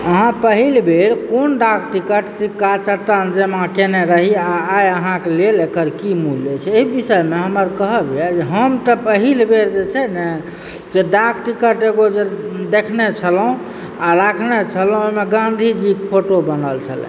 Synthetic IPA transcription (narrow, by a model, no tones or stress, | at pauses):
əɦãpəɦilbeɾkonɖakʈikəʈsikːat͡ʃəɾt̪ənd͡ʒemãkeneɾəɦiaːjəɦãkelelekəɾkimulːet͡ʃʰɛeibisəjmeɦəməɾkəɦəbɛd͡ʒeɦəmt̪əpəɦilbeɾd͡ʒet͡ʃʰɛnɛ | d͡ʒeɖakʰʈikəʈeɡod͡ʒed̪ekʰnet͡ʃʰəlɦũ | aɾakʰnet͡ʃʰəlũomeɡãnd̪ʱid͡ʒikpʰoʈobənəlt͡ʃʰə̰lɛ̰̃